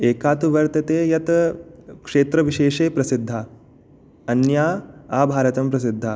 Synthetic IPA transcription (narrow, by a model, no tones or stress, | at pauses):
eːkaːt̪uʋɐɾt̪ɐt̪eːjɐt̪ | kʂeːt̪ɾɐʋiʃeːʂeːpɾɐsid̪ʱːaː | ɐnjaːaːbʱaːɾɐt̪ɐmpɾɐs̬id̪ʱːaː